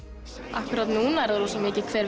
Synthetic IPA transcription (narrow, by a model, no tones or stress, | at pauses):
ahkʏɾat̪nuːnaɛɾðaɾɔsɔmɪːcɪkʰv̥ɛːɾ